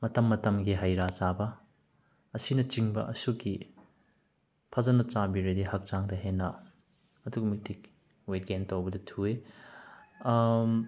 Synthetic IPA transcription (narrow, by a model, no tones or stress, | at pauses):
mɐtɐmːɐtɐmɡiɦajɾat͡ʃabɐː | sinɐt͡ʃiŋbɐʔɐsuki | pʰɐzɐnɐt͡ʃabiɾediɦak̚t͡ʃaŋdɐɦenːɐː | dukmik̚tʰik̚ | wet̚ɡentowbɐdɐtʰue